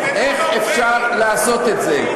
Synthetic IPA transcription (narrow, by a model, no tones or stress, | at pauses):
ʔeχefʃaʁleaso̞t̪etze